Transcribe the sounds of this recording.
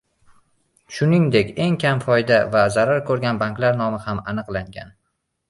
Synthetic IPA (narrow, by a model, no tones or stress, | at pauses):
ʃʊnɪŋd̪e̞kʲe̞ŋkʲʰamfɒjd̪avazaɾaɾkʰɵɾɡʲanbaŋklaɾn̪ɒmɪhamanɨqlˠaŋɡʲa̰n